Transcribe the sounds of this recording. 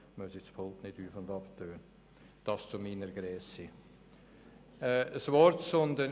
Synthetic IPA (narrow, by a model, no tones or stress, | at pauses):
mœsɪt͡spʰoltnɪd̥yːfʊndɑftøːn | d̥ɑst͡sʊminəɾɡ̥ɾɛːsi | ɛəsvɔɾtsɔnd̪ən